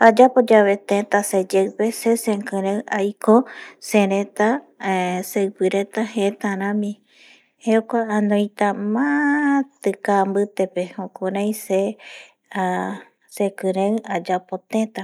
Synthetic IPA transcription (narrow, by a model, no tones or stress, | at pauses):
ad͡ʒapod͡ʒaβet̪ẽt̪ased͡ʒewpesesẽkɨ̃ɾẽwajkosẽɾẽt̪a | sewpɨɾet̪ahet̪aɾ̃ãmĩ | heokʷaanõjt̪amãt̪ɨkambɨt̪epehõkuɾãjse | a | sekɨ̃ɾẽwad͡ʒapot̪ẽt̪a